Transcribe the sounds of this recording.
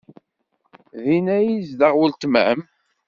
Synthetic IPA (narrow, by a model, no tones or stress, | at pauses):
ðinæjizd̪əʁwəlt̪mʕə̰m